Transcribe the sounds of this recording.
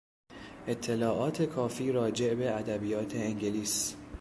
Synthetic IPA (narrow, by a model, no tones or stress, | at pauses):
ʔe̞t̪ʰːe̞lɒːʔɒːt̪ʰe̞kʰɒːfiːɾɒːd͡ʒe̞ʔbe̞æd̪æbijɒːt̪ʰe̞ːŋɟeliːs